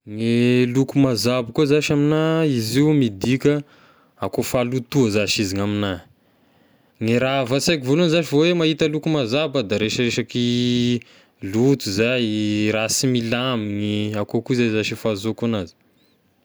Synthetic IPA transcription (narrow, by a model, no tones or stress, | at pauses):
ŋelukumazabakuazaʃaminaiziumid̪ikʲə | akofalut̪uəzaʃiziŋamina | ŋiɾavat͡sajk̬ivolunizaʃivowemahit̪əlukumazabəd̪aɾeʃəreʃaki | lut̪uzajɾasimilamiŋiakokuzazaʃifazokanazi̥